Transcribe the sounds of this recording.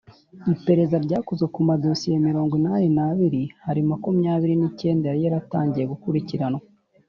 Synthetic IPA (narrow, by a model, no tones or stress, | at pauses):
ipe̞ɾe̞zaɾɟaːkozɡekumadosijemiɾo̞ːŋɡwinaninaβiɾihaɾimakumjaːβiɾinice̞ːndehaɾijaɾata̰ːɲɟije̞ɡukuɾiciɾano